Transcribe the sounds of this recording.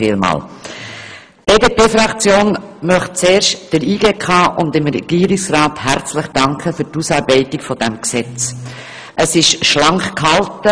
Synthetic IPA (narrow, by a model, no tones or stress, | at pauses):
ɪːlmɑ̰ːl | b̥eːdepeːfɾɑkt͡sjoːnmœχt̚t͡seːɾʃtd̥əɾiːɡeːkʰɑːʔʊndɪmɾɛ̰ɡ̥iːɾiksrɑːthæɾt͡sləχd̥ɑŋkʰχəfyːtusɑɾbɛɪtɪkfɔd̥ɛmksɛt͡s | ʔəsɪʃʃlɑŋχkhɑltə